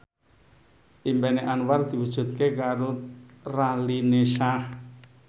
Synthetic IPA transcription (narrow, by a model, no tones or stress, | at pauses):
ʔimbɛneʔanward̪̥i̤wud̥ʒ̥ṳt̪̚kekaɾoralineʃah